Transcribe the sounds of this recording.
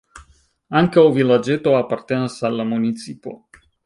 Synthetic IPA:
aŋkawvilad͡ʒe̞t̪o̞apaɾt̪enasalːamunit͡sipo̞̰

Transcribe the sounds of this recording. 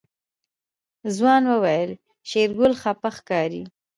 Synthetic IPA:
zwɑnwəwajəl | ʃeɾɡʊlxapaxkɑɾi

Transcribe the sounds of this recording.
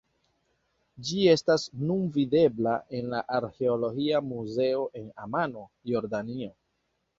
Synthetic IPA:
d͡ʒie̞stasnunvide̞blaʔe̞nlaʔaɾxe̞olo̞ɡiamuze̞o̞ʔe̞na̰mano̞ | jo̞ɾdanio̞

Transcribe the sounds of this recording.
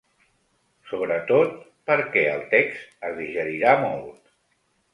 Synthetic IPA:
soβɾət̪ot̪ | pəɾkɛə̰lˠt̪ɛkst̪əzðiʒəɾiɾamolˠt̪

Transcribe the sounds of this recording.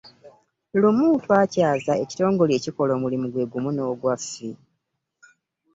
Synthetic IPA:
lumuːtwaːcaːzae̞ci̥to̞ːŋɡo̞leciko̞lo̞ːmulimuɡwe̞ɡumuno̞ːɡwafːi

